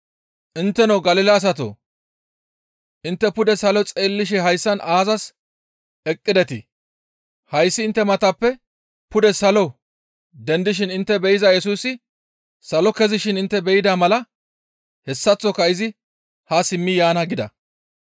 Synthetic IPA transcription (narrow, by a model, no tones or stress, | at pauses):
ʔɪnt̪ːɛnɔwɡɐlɪlaːs̬ɐt̪o̰ː | ʔɪnt̪ːɛpʊd̪ɛsɐlɔt͡sʼeːlːɪʃ̬ɛɦɐjsːɐnʔaːzɐs | ɛkʼːɪd̪ɛt̪ɪ | hɐjsːɪːnt̪ːɛmɐt̪ɐpːɛ | pʊd̪ɛsɐlɔ | d̪ɛnd̪ɪʃ̬ɪnɪnt̪ːɛbɛjɪzɐjɛsuːsɪ | sɐlɔkɛzɪʃɪnɪnt̪ːɛbɛjɪd̪aːmɐlɐ | hɛsːɐt͡sːɔkɐɪzɪ | hasɪmːɪjaːnɐɡɪd̪ɐ̰